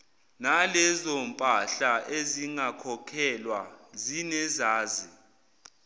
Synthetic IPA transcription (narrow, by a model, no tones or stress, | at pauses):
nalɛzɔmpʼaɬaʔeziŋakʰɔkʰɛlwazinɛzaːzi